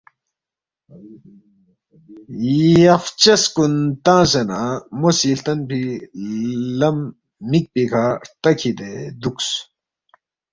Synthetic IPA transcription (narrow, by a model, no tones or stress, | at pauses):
jɐft͡ɕɐskunt̪ãːsenamosiːlt̪ɐnpʰi | lɐmː | ik̚pikʰaːt̪ɐkʰid̪ed̪uks